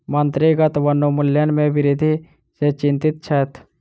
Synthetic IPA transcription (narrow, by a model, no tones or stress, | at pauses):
mɐnt̪ɾiɡət̪ʋɐnːomʊljənmẽʋɪɾɪd̪ʱi | set͡ʃɪ̃nt̪ɪt̪̚t͡ʃʰɛt̪